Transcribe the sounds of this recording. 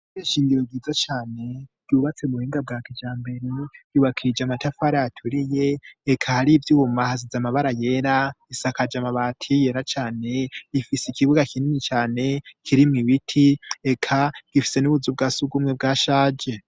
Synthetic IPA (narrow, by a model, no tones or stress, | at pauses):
eʃiːŋɡiɾoɡɡiːzat͡ʃaːne̞ɡ̥uːβat͡semuheːŋɡab̚ɡaːkid͡ʒaːmbe̞ɾeɡ̥iβakʰiid͡ʒamatafaɾajatʰuɾije̞ːkʰahaɾivjuːmahazizamaβaɾaje̞ɾaisakad͡ʒamaβaːtʰije̞ɾat͡ʃaːne̞ifiseikiβuɡakʰininit͡ʃaːne̞kʰiɾimŋiβitʰiekʰaɡ̥ifi̥se̞nuβuzub̚ɡaːsuɡumŋebɡaːʃaːd͡ʒe̞